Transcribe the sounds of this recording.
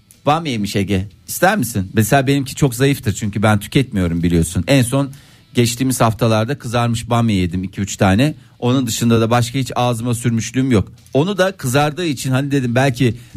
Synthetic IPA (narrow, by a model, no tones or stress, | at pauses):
b̥ameemiʃeɟɛist̪ʰæɾmisinbeselʲaːbe̞nimcʰi̥t͡ʃʰo̞kzajɯft̪ʰɯɾt͡ʃʰyɲcʰybænt̪ʰy̥cʰɛt̪mijo̞ɾumbilʲijo̞sunɛnso̞n | ɟɛt͡ʃt̪ʰiːmiz̥haft̪ʰalˠaɾd̪akʰɯzaɾmɯʃbamejed̪imicʰiyt͡ʃt̪ʰaːnɛ | o̞nund̪ɯʃɯnd̪ad̪abaʃkʰahit͡ʃaːzɯmasyɾmyʃlʲyːmjo̞k | o̞nud̪akʰɯzaɾd̪ɯːit͡ʃʰinhanid̪e̞d̪imbælʲcʰi